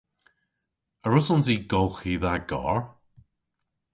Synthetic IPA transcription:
əɹʊsʊnziːɡɔlˠxiːðaɡɔ̰ɹ

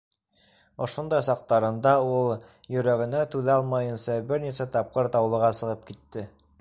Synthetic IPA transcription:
ŏʃond̪ɑjsɑq̚t̪ɑɾɤ̆nd̪ɑulˠ | jɵ̆ɾæɡɘ̆næt̪ʉðɑlˠmɑjɤ̆nsɑbɘɾnisæt̪ɑp̚qɤɾt̪ɑwlˠɤ̆ʁɑsɤ̆ʁɤp̚kit̪ːɘ

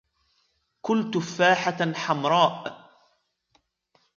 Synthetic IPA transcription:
kʊlt̪ʊfaːħaħamɾˤɑːʔ

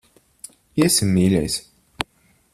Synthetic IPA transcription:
iɛsimːiːlʲɛ̰js

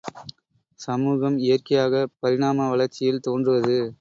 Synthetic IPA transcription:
sɐmuːɣɐmɪjɐrkɐjaːɣɐpɐɾɪɽaːmɐʋɐɭɐɾt͡ʃːɪjɪlt̪oːndrɯʋɐðɯ

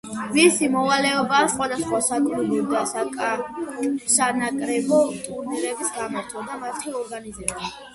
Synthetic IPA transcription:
visimɔvalɛɔbaːsχʼwad̪asχwasaɡɾulid̪a | sanakʼɾɛbɔt̪ʼuɾniɾɛbisɡamaɾt̪ʰɔd̪amat̪ʰiɔɾɡanizɛbu

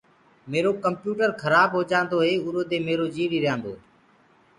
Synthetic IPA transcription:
meːɾoːkəmpjuːʈəɾkʰəɾaːbɦoːd͡ʒãːnd̪oːɦeːʊɾoːd̪eːmeːɾoːd͡ʒiːɾiːɾɪjãːnd̪o̰ː

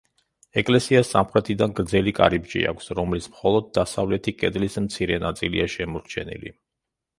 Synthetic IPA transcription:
ɛkʼlɛsiasːamχɾɛt̪ʰid̪anɡɾd̪zɛlikʼa̰ɾibd͡ʒḭa̰kʷʰsɾɔmlismχɔlˠɔd̪̚ːasavlɛt̪ʰikʼɛd̪lismt̪sʰiɾɛnat̪sʼilḭaʃɛmɔɾt͡ʃʰɛnḭlḭ

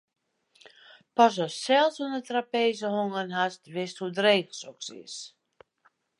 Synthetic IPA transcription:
pɔs̬ɔssɛlˠsɔndətrapeːzəhoŋənɦastʋɪsthudreːɣəlˠsɔksɪ̰s

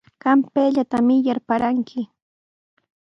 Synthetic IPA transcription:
kampeːʎat̪amɪjaɾpaɾaŋkʰɪ

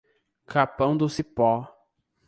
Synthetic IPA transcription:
kʰapɐ̃w̃d̪ʊsipɔ

